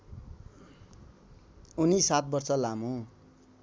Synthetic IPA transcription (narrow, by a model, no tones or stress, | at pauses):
unisat̪̚bʌrt͡sʌlamũ